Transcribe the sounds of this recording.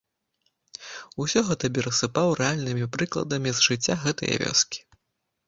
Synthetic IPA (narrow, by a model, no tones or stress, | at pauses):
usʲɔɣɛt̪ɐpʲɛɾɐsɨpawɾʔɛalʲnɨmʲipɾɨklˠɐ̰d̪ɐmʲizʐɨt͡sʲːaɣɛt̪ɐjɐ̰vʲɔ̰skʲi̥